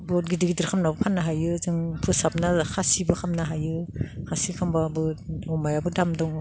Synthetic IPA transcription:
bɔt̚ɡidiɡidiɾkʰamnabɯpʰanːaɦajɯzɯŋpʰɯsap̚nahasibɯkʰamnaɦajɯhasikʰambabɯɔmajabɯdamdɔŋ

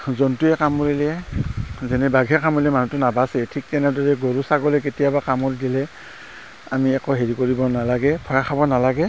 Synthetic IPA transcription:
zɔntuɛkamɔɹilɛ | zɛnɛbaɡʱɛkʰamɔlɛmanutʊnabasɛtʰik̚tɛnadɔɹɛɡoɹusaɡɔlɛk̬etijabakamɔɹidilɛ | a̰miɛkɔɦeɹikoɹibɔnalaɡɛpʰɔjakʰabɔnalaɡɛ

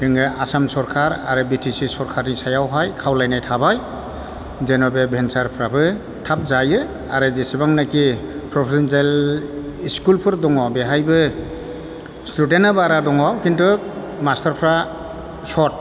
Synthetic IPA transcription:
dɯŋɡɯʔasamsɔɾkʰaɾa̰ɾɯbitʰisisɔɾkʰaɾnisajawɦajkʰawlajnajtʰabaj | zenɔbebʱensaɾpʰɾabɯ | tʰap̚zajɯ | a̰ɾɯzesibaŋnakipʰɾɔpʰesɔnsel | iskulpʰɯɾdɔŋɔbeɦajbɯ | studenabaɾadɔŋɔkintɯ | mastaɾpʰɾa | sɔt̚

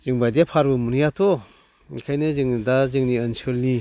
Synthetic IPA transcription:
z̥ɯŋbajdijapʰaɾbɯmunɯjatʰɔ | kʰajnɯzɯŋdazɯŋniɯnsɯlːi

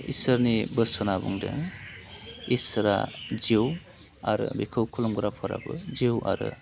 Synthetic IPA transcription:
ḭsɯɾnibɯsɔnabuŋdḛŋ | isɾa̰d͡ʒiw | aɾɯbikʰɯwkʰulɔmɡɾapʰɔɾa̰bɯd͡ʒiwa̰ɾɯ

